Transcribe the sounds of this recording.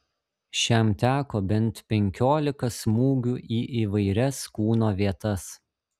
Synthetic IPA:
ʃʲɛmt̪ʲæːkoːbʲɛnˑt̪pʲɛŋʲkʲoːlʲɪkɐsmuːɡʲuːʔiːʔiːʋɐɪɾʲɛskuːnoːʋʲiɛt̪ɐs

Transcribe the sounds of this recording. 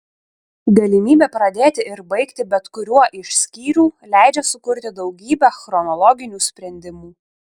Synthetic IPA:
ɡɐlʲɪmʲiːbʲeːpɾɐd̪ʲeːt̪ʲɪɪɾbɐɪkt̪ʲɪbʲɛt̪kʊɾʲuɔʔɪʃʲsʲkʲiːɾʲuːlʲæˑɪd͡ʒʲɛsʊkʊɾʲt̪ʲɪd̪ɒʊɡʲiːbʲæxɾɔnɔlˠɔɡʲɪnʲuːsʲpʲɾʲɛnʲd̪ʲɪmuː

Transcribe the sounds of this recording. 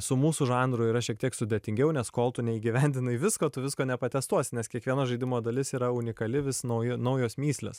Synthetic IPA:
sʊmuːsʊʒɑːnd̪ɾʊiːɾɐʃʲiɛk̚t̪iɛksʊd̪ʲeːt̪ʲɪŋʲɡʲɛʊnʲɛskoːlˠt̪ʊnʲɛiːɡʲiʋʲɛnʲd̪ʲɪnɐɪʋʲɪskoːt̪ʊʋʲɪskoːnʲɛpɐt̪ʲɛst̪uɔsʲɪnʲɛskʲiɛkʋʲiɛnɐʒɐɪd̪ʲɪmoːd̪ɐlʲɪsiːɾɐʊnʲɪkɐlʲɪʋʲɪsnɐjɪnɐʊjoːsmʲiːsʲlʲḛːs

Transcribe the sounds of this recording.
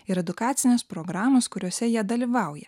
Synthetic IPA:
ɪɾɛd̪ʊkɑːt̪sʲɪnʲʊspɾɔɡɾɑːmoːskʊɾʲoːsʲɛjiɛd̪ɐlʲiʋɑˑʊjɛ

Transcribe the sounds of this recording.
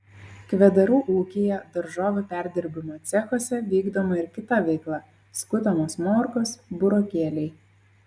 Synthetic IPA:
kʋʲɛd̪ɐɾuːʔuːkʲejɛd̪ɐɾʒoːʋʲʊpʲæˑɾʲd̪ʲɪɾʲbʲɪmoːt̪sʲɛxoːsʲɛʋʲiːɡd̪oːmɐɪɾkʲɪt̪ɐʋʲɛɪklˠɐ | skʊt̪ʲɐmoːsmoːɾkosbʊɾoːkʲeːlʲɛɪ

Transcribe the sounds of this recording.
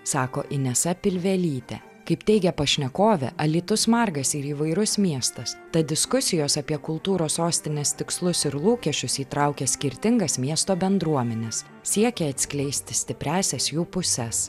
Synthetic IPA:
sɑːkoːʔɪnʲɛsɐpʲɪlʲʋʲɛlʲiːt̪ʲɛ̰ | kɐɪpt̪ʲɛɪɡʲɛpɐʃʲnʲɛkoːʋʲɛ̰ʔɐlʲiːt̪ʊsmɐɾɡɐsɪɾiːʋɐɪɾʊsmʲiɛst̪ɐst̪ɐd̪ʲɪskʊsʲɪjoːsɐpʲiɛkʊlˠt̪uːɾoːsoːsʲt̪ʲɪnʲeːst̪ʲɪkslˠʊsɪɾlˠuːkʲɛʃʲt͡ʃʲʊsiːt̪ɾɑʊkʲɛsʲkʲɪɾʲt̪ʲɪŋɡɐsmʲiɛst̪oːbʲɛnd̪ɾuɔmʲɛnʲɛs | sʲiɛkʲɛɐt̪ʲsʲkʲlʲɛɪsʲt̪ʲɪsʲt̪ʲɪpʲɾʲæːsʲɛsjuːpʊsʲɛs

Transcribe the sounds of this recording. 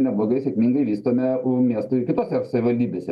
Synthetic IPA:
nʲɛblˠoːɡɐɪsʲɛkmʲiːŋɡɐɪʋʲiːst̪oːmʲɛʊmʲiɛst̪ʊɪkʲɪt̪oːsʲɛsɐʋʲɪʋɐlʲd̪ʲiːbʲeːsʲɛ

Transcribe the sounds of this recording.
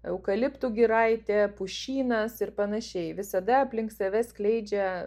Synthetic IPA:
ɛʊkɐlʲɪpt̪uɡʲɪɾɐɪt̪ʲɛpʊʃʲiːnɐsɪrpɐnɐʃʲɛɪʋʲɪsɐd̪ɐɐpʲlʲɪŋksɐʋʲɛsʲklʲɛɪd͡ʒʲɛ

